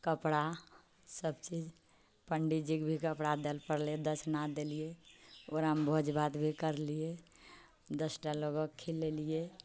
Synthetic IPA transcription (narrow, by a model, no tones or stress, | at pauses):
kəpɽa | səbt͡ʃid͡ʒ | pəɳɖid͡ʒikbʱikəpɽad̪elpəɾled̪əsʰnad̪elijeoɾambʱod͡ʒbat̪bʱikəɾlije | d̪əsʈaloɡəkkʰːilːelije